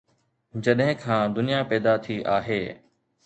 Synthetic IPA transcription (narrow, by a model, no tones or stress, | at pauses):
d͡ʑɐɗɦɪ̃kʰãːd̪ʊnijapɛːd̪at̪ʰiʔaːɦeː